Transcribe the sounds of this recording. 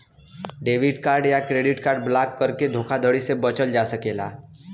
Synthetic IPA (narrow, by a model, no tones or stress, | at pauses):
ɖeːʋɪɖkaːɾɖjakɾeːɖɪʈkaːɾɖ̚blakːəɾked̪ʱoːkʰad̪ʱəɽisebət͡ʃəld͡ʒasəkeːla̰ː